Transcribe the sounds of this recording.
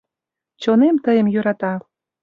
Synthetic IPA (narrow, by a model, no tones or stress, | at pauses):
t͡ɕonemt̪əjə̆mjyɾɑt̪ɑ